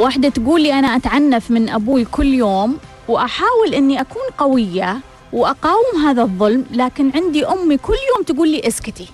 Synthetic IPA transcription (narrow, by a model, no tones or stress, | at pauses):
waːħd̪at̪ɡuːlːiʔanaʔat̪ʕanːafmɪnʔabuːjkʊlːjoːm | wʔaħaːwɪlʔɪnːiʔakuːnqɑwɪjːa | wʔaqɑːwɪmɦaːðaðˤːʊlmlaːkɪnʕɪnd̪iʔʊmːikʊlːjoːmt̪aɡuːlːiːʔɪskɪt̪i